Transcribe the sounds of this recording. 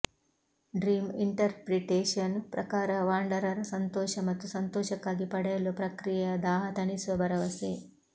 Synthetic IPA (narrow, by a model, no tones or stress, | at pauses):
ɖɾiːmiɳʈɐɾpɾiʈeːʂɐnpɾɐkaːɾɐʋaːɳɖɐɾɐɾɐsɐnt̪ɔːʃɐmɐt̪ːusɐnt̪ɔːʃɐkːaːɡipɐɽɐjɐlːupɾɐkɾijɐd̪aːɦɐt̪ɐɳisʋɐbɐɾɐʋɐse